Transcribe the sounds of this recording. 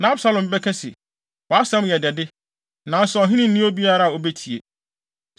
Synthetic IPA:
nã˨˦a˦bsa˦lɔ̃˨m˨bɛ˦kʰɛ̃˦sɪ̰˨ | wɔ˨a˦sɛ̃˦m˦jɛ˨dɛ˨dɪ˦ | nã˨n̩˦sʊ˦ɔ˨ɦɪ̃˦nɪ̃˦˨˦ĩ˦o˦bi˦a˦˨ɾa˦a˨o˨be˦tʰi˨e˨

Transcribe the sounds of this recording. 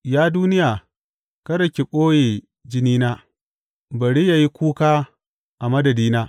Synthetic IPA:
jaː˦duː˦nɪ˦jaː˨ | kɐ˦ɾɐ˨kʲe˨ɓoː˦jeː˨ | d͡ʒɪ˦niː˦naː˦ | bɐ˨ɽi˦jaː˨ji˦kʷuː˦kaː˦ | ʔa˨mɐ˦dɐ˨diː˦naː˦

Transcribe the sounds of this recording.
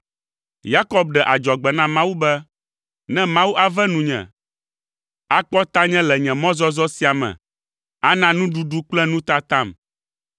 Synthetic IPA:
ja˦kɔ˦b̚ɖɛ˨ʔa˨d͡ʒɔ˨ɡ͡bɛ˨nã˦mã˦wu˦bɛ˦ | nɛ̃˦mã˦wu˦ʔa˨vɛ˦nũ˨ɲɛ̰̃˨ | a˦k͡pɔ˦t̪a˦ɲɛ̃˦lɛ˨ɲɛ̃˨mɔ̃˦zɔ˦zɔ˦si˦a˨mɛ̰̃˨ | a˦nã˦nũ˦ɖu˦ɖu˦k͡plɛ˦nũ˦t̪a˦t̪ã˦˨m

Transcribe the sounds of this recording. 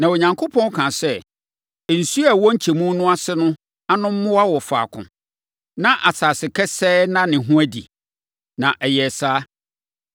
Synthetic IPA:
nã˨wɔ˨ɲã˨ŋkʰo˦pʰɔ̃˦n˦kʰã˨sɛ˦˨ | n̩˨su˦a˨wɔ˦ɲ̩˦t͡ɕʰe˨mũ˦nʊ̃˦a˦sɪ˦nʊ̃˦ | a˦nʊ̃˦m̩˦mʊ̃˦wa˦wɔ˨fa̰ː˨kʰʊ̰̃˨ | nã˦ʔa˨saː˨sɪ˨kʰɛ˦sɛː˦nã˦nɪ̃˨ɦʊ̃˦æ˦dḭ˨ | nã˨ʔɛ˨jɛ˨saː˦

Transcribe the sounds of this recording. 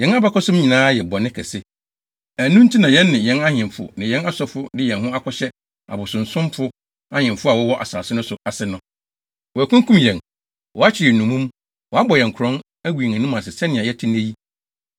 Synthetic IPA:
jɛ̃˨˦na˦ba˦kɔ˦sʊ̃˦mɲĩ˨nãː˦jɛ˨bɔ˨nɪ̃˦kʰɛ˨sɪ˦ | æ˨nũ˦n̩˦tʰi˦nã˨jɛ̃˦nːɪ̃˨jɛ̃˦nã˦ɲɪ̃˨mfʊ̰˨nɪ̃˨jɛ̃˦na˦sɔ˦fʊ˦dɪ˦jɛ̃˨nɦʊ̃˦a˦kʰɔ˦ɕɛ˦ | a̰˨bʊ˨sʊ̃˨n̩˨sʊ̃˦mfʊ˦ | ã˦ɲɪ̃˨mfʊ˦a˨wɔ˦wɔ˦ʔa̰˨saː˨sɪ˦nʊ̃˦sʊ˨a˨sɪ˦nʊ̃˨ | wɔ˨æ˨kʰʊ̃˦ŋ˦kʰũ˦mjɛ̃˨n | wɔ˨a˦t͡ɕʰɪ˨ɾɪ˨nũ˨mũ˦m | wɔ˨a˦bɔ˨jɛ̃˨ŋ̩˨kʰɾɔ̃˦n | æ˦wu˨i˨ŋæ̃˨ñ˦mã˨sɪ˨sɛ˦nɪ̃˨ã˨jɛ˦tʰɪ˦ñ˦æ˦ji˦

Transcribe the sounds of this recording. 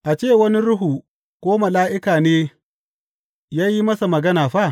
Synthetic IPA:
ʔa˨t͡ʃeː˦˨wɐ˦ni˦ɾʊ˦ɦu˨ | kʷoː˦mɐ˨laː˦ʔɪ˦kaː˨neː˦ | jaː˦ji˦mɐ˦sa˨mɐ˨ɡɐ˦naː˨ɸa˦˨

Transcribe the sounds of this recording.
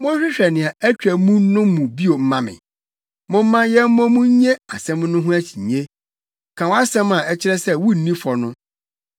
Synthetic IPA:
mʊ̃˦ɕᶣɪ˦ɕᶣɛ˨nɪ̃˨a˨æ˦t͡ɕᶣɾæ˨mũ˦nʊ̃˦mũ˨bi˦o˨m̩˦mã˦mɪ̰̃˨ | mʊ̃˦m̩˦mã˦jɛ˦m̩˦mɔ̃˦mũ˦ɲe˦a˨sɛ̃˦m˦nʊ̃˦ɦʊ̃˦æ˦t͡ɕʰi˨ɲ˨ɲe˦ | kʰã˨wɔ˦a˦sɛ̃˦mã˨ʔɛ˦t͡ɕʰɪ˦ɾɛ˦sɛ˦wu˦n̩˨˦nĩ˦fɔ˨nʊ̃˦

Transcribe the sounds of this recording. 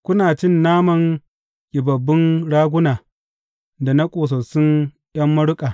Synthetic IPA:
kʷʊ˦naː˨t͡ʃɪ˦˨nːaː˦mɐ˨ŋ | ɡʲʼɪ˨bɐ˨bːɪ˦nɽaː˦ɡʷʊ˦naː˨ | da˨na˦kʷʼoː˨s̬ɐ˨sʊ˦n | j̰ɐ˦mːɐ˦ɽʊ˦kʼaː˨

